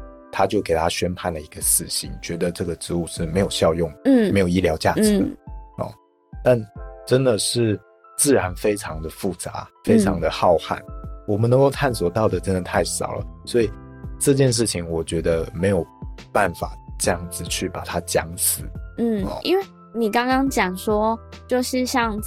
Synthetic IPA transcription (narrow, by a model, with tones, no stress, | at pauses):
t̪ʰa˥t͡ɕjo˥˩ke˨˩ɪt̪ʰa˥ɕɥɛ˥npʰa˥˩nlə˩i˧˦˥ɡə˧ʂɻ̩˥˩t͡ɕʰḭ˨˩ŋt͡ɕɥɛ˧˥d̪ə˧ʈ͡ʂɤ˥˩ɡə˩ʈ͡ʂɻ̩˧˥u˥˧ʂɻ̩˥˩me˧˥ɪjo˨˩ʊɕjɑ˥˧ʊjʊ˥˩ŋ˥me˧˥ɪjo˨˩i˥ljɑ˧˥ʊt͡ɕja̰˥˩ʈ͡ʂɻ̩˨˥ə̰˨˩ | t̪a˥˩nʈ͡ʂə˦˥nd̪ə˨ʂɻ̩˥˩ | t͡sɹ̩˥˩ɻa˧˦˥nfe˥ɪʈ͡ʂʰɑ˧˦ŋd̪ə˨fu˥˩t͡sa̰˧˦fe˥ɪʈ͡ʂʰɑ˧˥ŋd̪ə˧xɑ˥˧ʊxa̰˥˩nwɔ˨˩mə˦nə˧˥ŋko˥˧ʊt̪ʰa˥˩nswɔ˨˩t̪ɑ˥˩ʊd̪ə˩ʈ͡ʂə˦˥nd̪ə˨˩t̪ʰa˥˩ɪʂɑ̰˨˩ʊlə̰˦swɔ˧˥i˨˩ʈ͡ʂɤ˥˧t͡ɕjɛ˥˧nʂ̬ɻ̩˥˩t͡ɕʰi˨˦ŋwɔ˨˩t͡ɕɥɛ˧˥d̪ə˧me˧˥ɪjo˨˩ʊpa˥˩nfa̰˨˩ʈ͡ʂɤ˥˧jɑ˥˩ŋd͡zɹ̩˨˩t͡ɕʰy˥˩pa˨˩t̪ʰa˥t͡ɕjɑ˥ŋsɹ̩˨˩˦n̩̰˥˩˧ʔḭ˦nwe˥˩ɪ | ni˨˩kɑ˥ŋkɑ˥ŋt͡ɕjɑ˨˩ŋʂwɔ˥t͡ɕjo˥˧ʊʂɻ̩˥˧ɕjɑ˥˧˩ŋ